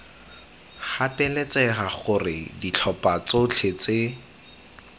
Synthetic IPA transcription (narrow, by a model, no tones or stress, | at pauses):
χapɛlɛt͡sɛχaχʊrɪ̰dit͡ɬʰɔpat͡sot͡ɬʰet͡se